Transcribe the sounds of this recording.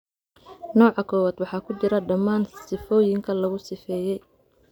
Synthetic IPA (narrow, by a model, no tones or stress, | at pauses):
nɔːʕɑkʰɔːwaːd̪wɑħɑːkʰʊt͡ʃɪɾɐɖɐmːaːnsɪfɔːjɪŋkʰɐlɐɣʊsɪfɛːjɛj